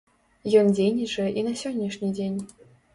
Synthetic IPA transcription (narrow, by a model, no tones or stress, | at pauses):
jɔnd͡zʲenʲiʐɛʔinɐsʲɔnʲːiʂnʲid͡zʲenʲ